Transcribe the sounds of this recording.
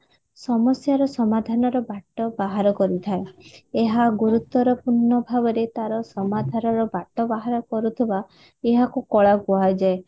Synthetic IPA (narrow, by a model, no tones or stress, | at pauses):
sɔmɔsjaɾɔsɔmad̪ʱanɔɾɔbaʈɔbaɦaɾɔkɔɾit̪ʰaeeɦaɡuɾut̪ɔɾɔpuɾnɔbʱabɔɾet̪aɾɔsɔmad̪ʱanɔɾɔbaʈɔbaɦaɾɔkɔɾut̪ʰiba | eɦakukɔɭaɡuajd͡ʒae